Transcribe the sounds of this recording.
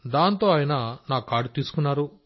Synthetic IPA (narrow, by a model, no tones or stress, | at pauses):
d̪aːnt̪o̞ːaːjɐnɐnaːkːaːɾɖut̪iːsu̥kunːaːɾu